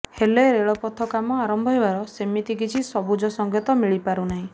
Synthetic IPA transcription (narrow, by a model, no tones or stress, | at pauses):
heleɾeɭɔpɔt̪ʰɔkamɔaɾɔmbʱɔɦebaɾɔsemit̪ikit͡ʃʰisɔbud͡ʒɔsɔŋɡʱɔt̪ɔmiɭipaɾunaɦĩ